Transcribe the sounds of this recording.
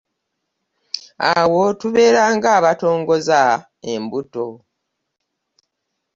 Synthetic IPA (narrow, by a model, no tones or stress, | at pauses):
awo̞tuβe̞ːɾaːŋɡaːβato̞ːŋɡo̞za | ḛmbuto̞